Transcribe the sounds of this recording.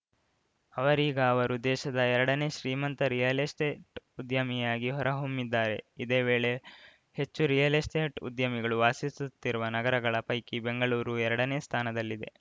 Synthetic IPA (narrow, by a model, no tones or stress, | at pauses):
ɐʋɐɾiːɡɐːʋɐɾud̪ɛːʃɐd̪ɐɛɾɐɽɐne̞ːʃɾiːmɐnt̪ɐɾijɐlesʈeːʈud̪jɐmijaːɡiɦɔɾɐɦomːid̪ːaːɾe̞̰id̪e̞ːʋeːɭe̞ | he̞t͡ʃːuɾijɐlesʈeːʈṵd̪jɐmiɡɐɭuʋaːsisut̪ːiɾuʋɐnɐɡɐɾɐɡɐɭɐpɐjkibe̞ŋɡɐɭuːɾuɛɾɐɽɐne̞ːst̪ʰaːnɐd̪ɐlːid̪e̞̰